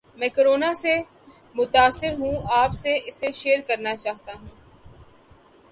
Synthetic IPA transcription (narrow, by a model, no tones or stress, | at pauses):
mɛ̃ːkəɾoːnase | mʊt̪aːsːɪɾɦũːaːpseʔɪseʃeːəɾkɐɾnat͡ʃaːɦt̪aɦũː